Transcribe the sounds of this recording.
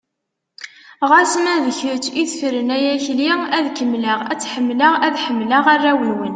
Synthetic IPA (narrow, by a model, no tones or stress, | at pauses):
ʁæsmæðəçəɾt͡ʃːiθfɾənæjæçliæðkəmːləʁæt͡sːħəmːləʁæðħəmːləʁærːæwiwən